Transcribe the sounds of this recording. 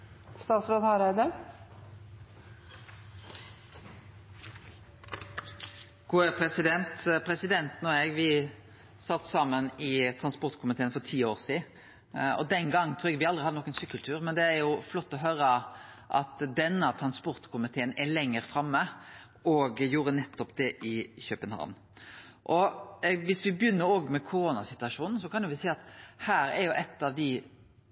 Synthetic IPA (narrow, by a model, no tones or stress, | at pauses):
st̪ɑːt̪sɾoːd̪hɑɾæɪd̪ə | ɡ̥uːəpʰɾɛsɪd̪ɛnt̪pʰɾɛsɪd̪ɛnt̪nɔːɛɡʋɪ | sɑt̪ːsɑmːənɪt̪ʰɾɑnspɔʁt̪kʰʊmɪt̪ʰeːənfɔɾt̪ʰiːoːʁsiː | ɔ̰d̪ɛŋɡɑŋːt̪ʰɾʉːɛɡʋɪɑld̪ʁɪhɑd̪ənɔːkːənsʏkːəlt̪ʰʉːɾmɛnd̪ɛæɾjʊflɔt̪ːɔɦøːɾə | ʔɑ̰t̪d̪ɛnːəɑt̪ʰɾɑnspɔɾt̪kʰʊmɪt̪ʰeːənɛlɛŋːəɾfɾɑmːə | ɔɡjuːɾənɛt̪ːɔpd̪ɛʔɪçøpənhɑ̰ʋn | ʔɔʋɪsʋɪbjʏnːəɾoːɡmɛkʰʊɾoːnɑsɪt̪ʉɑʂuːnn̩sɔkʰɑnjʊʋɪsɛːɑt̪hæːɾɛ̰ɾjʊʔɛt̪ːɑʋd̪ɪ